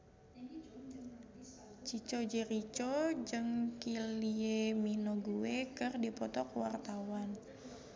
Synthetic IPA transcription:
t͡ʃit͡ʃod͡ʒiɾit͡ʃod͡ʒɨŋkilieminoɡuekɨrdipɔt̪ɔkwart̪awan

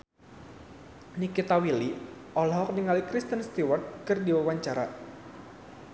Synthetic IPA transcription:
nikit̪awili | ɔlɔɦɔk̚niŋalikɾist̪ənst̪iwarkɨrdiwawaɲt͡ʃaɾa

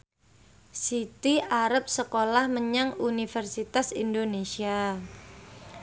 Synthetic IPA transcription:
sit̪iaɾəp̚səkolahməɲaŋunifɛrsit̪asindonesia

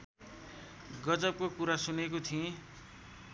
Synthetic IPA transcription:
ɡʌd͡zʌp̚kokuɾasunekot̪ʰiẽ

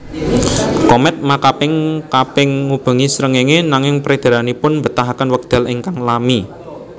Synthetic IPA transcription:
kɔmɛt̪̚makapɪŋkapɪŋːub̥a̤ŋisɾəŋeŋenaŋɪŋpɾed̪̥a̤ɾanipʊnmbət̪aɦakənwək̚d̪̥a̤lɪŋkaŋlami

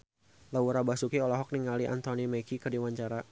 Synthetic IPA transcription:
lauɾabasukiɔlɔɦɔk̚niŋaliʔa̰nt̪ɔnimɛkikərdiwaɲt͡ʃaɾa

